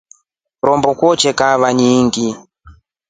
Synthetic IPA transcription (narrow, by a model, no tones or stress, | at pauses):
ɾɔmbɔkwɔt͡ʃɛkaβaɲiŋɡi